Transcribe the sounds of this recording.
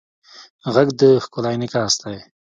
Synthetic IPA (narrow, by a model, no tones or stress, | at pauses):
ɣaɡd̪əxkʊlɑjnikast̪aj